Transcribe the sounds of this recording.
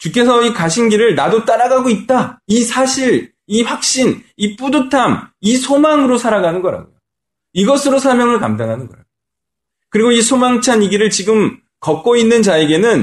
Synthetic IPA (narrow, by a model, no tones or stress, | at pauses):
t͡ɕuk͈ʰːe̞sʰʌikaɕʰinɡiɾɯɭnadot͈aɾaɡaɡoit̚t͈aisʰaɕʰiɾ | iɸwak̚ɕ͈inip͈udɯtʰamisʰomaŋɯɾosʰaɾaɡanɯnɡʌɾa̰ɡo̰jo | iɡʌsʰɯɾosʰamjʌŋɯɭkamdaŋɦanɯnɡʌɾa̰ɡoo | kɯɾiɡoisʰomaŋt͡ɕʰaɲiɡiɾɯɭt͡ɕiɡɯm | kʌk̚k͈oinːɯnt͡ɕaeɡe̞nɯn